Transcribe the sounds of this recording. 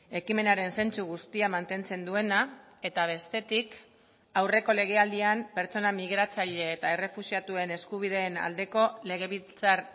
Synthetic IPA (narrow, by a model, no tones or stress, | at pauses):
e̞kime̞naɾe̞nse̞nt͡suɣ̞ust̪iamant̪e̞nt͡se̞nd̪ue̞na | e̞t̪aβ̞e̞st̪e̞t̪ik | awre̞ko̞le̞ɣ̞e̞ald̪iampe̞ɾt͡so̞namiɣ̞ɾat͡saʎe̞ːt̪ae̞re̞fusiat̪ue̞ne̞skuβ̞ið̞e̞ːna̰ld̪e̞ko̞le̞ɣ̞e̞βilt͡saɾ